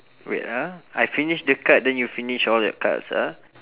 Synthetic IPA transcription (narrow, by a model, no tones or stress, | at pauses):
ɹa̰taajfiniʃdəkat̚dɛ̃njufiniʃɔljɔ̰ka̰tsa̰